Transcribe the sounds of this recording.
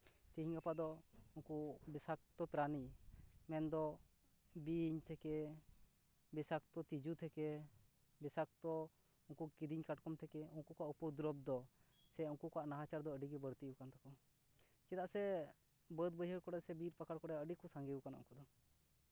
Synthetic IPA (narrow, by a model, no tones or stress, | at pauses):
t̪iɦiɲɡapad̪ɔuŋkubɛsak̚t̪ɔpɾanimɛnd̪ɔ | biɲt̪ʰɛkɛ | bɛsakt̪ɔt̪id͡ʒut̪ʰɛkɛ | bɛsak̚t̪ɔ | uŋkukid̪iɲkaʈkɔmt̪ʰɛkɛuŋkukaʔupɔd̪ɾɔb̚d̪ɔ | sɛuŋkukɔaʔnaɦat͡ʃaɾd̪ɔəɖiɡɛbəɽt̪iukant̪akɔ | t͡ʃɛt̪aʔsɛ | bəd̪̚bəjɦəɾkɔɽɛsɛbiɾpakʰaɾkɔɽɛəɖikɔsaŋɡɛukanʔṵŋkud̪ɔ